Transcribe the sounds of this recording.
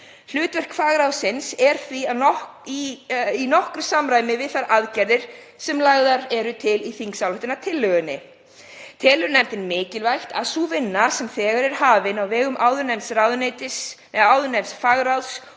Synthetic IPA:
l̥ʏːt̪vɛr̥kfaːɣɾawsɪnsɛɾ̥θviaiinɔhkɾʏsamɾaːjmɪvɪðθaɾaðcɛɾðɪɾ̥ | sɛmlaɣðaɾɛɾʏt̪ʰɪliθiŋksawlaht̪ɪnat̪ʰɪlːœːɣʏnːɪ̰ | t̪ʰɛːlʏɾnɛmt̪ɪnmɪːcɪlvajxt̪aðsuːvɪnːasɛmθɛːɣaɾɛɾ̥ɦaːvɪnawvɛːɣʏmʔaːwðʏnɛmsrawðʏnejt̪ɪs | ɛawðʏnɛjmsfaːɣɾals

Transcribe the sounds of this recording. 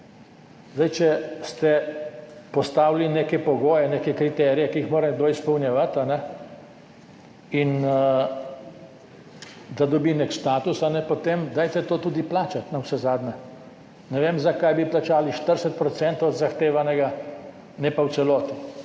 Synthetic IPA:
zd̪ajt͡ʃɛst̪ɛ | pɔst̪aːwlineːkɛpɔɡoːjɛneːkɛkɾit̪ɛɾijɛkiixmoːɾɛnɛɡ̚d̪oːispɔwnjɛʋat̪anɛ | in | d̪ad̪ɔbinekʃt̪aːt̪usanɛpot̪emd̪aːjt̪ɛt̪oːt̪uːd̪iplaːt͡ʃat̪nawsɛzaːd̪nɛ | nɛʋeːmzakajbiplat͡ʃaːliʃt̪əɾsɛt̪̚pɾɔt̪sɛnt̪owɔd̪zaxt̪eːʋanɛɡa | nɛpawt̪sɛlɔːt̪i

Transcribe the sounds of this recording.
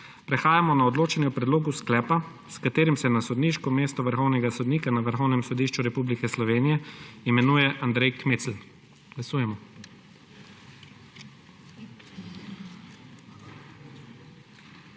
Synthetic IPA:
pɾɛxaːjamɔnaɔd̪loːt͡ʃɛnjɛwpɾɛd̪loːɡusklɛːpa | skat̪eːɾimsɛnasɔd̪niʃkɔmeːst̪ɔʋəɾxɔwnɛɡasɔd̪niːkanaʋəɾxɔwnɛmsɔd̪iʃt͡ʃuɾɛpublikɛslɔʋeːnijɛimɛnuːjɛʔand̪ɾɛjkmeːt̪sl̩ | ɡ̥lasuːjɛmɔ

